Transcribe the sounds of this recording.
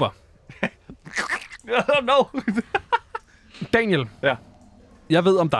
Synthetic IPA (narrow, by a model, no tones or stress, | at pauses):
b̥ɐ | noʊ | d̥ɛnjəlæ | jɑ̈ɪʋe̝ð̞̰ˠɒ̽md̥ɑ